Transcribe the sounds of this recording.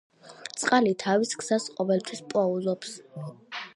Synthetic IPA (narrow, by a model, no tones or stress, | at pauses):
t̪sʼqʼalit̪ʰaviskʰz̥asqʼɔvɛlˠt̪ʰwispʼɔuzɔps